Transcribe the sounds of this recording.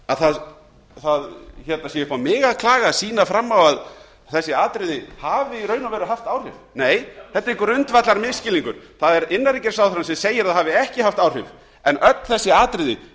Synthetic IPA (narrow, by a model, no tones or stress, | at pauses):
aðθað | θaðçɛt̪nasjɛvʏpawmɪːɣaðkʰlaːɣaːsiːnafɾamːawað | θɛsːɪaːt̪ɾɪðɪhaːvɪiɾœːɥnavɛɾʏðɦaft̪aːwr̥ʏvneːjθɛt̪ːaɾɪŋkʏɾʏnt̪vat̪laɾmɪðscɪliŋkʏɾ̥θaðɛɾɪnːaɾicɛɾ̥sawðɾansɛmseːjɪɾaðhavɪɛhcɪhaft̪aːwr̥ʏv | ɛnʔœt̪ln̥θɛsːɪaːt̪ɾɪðɪ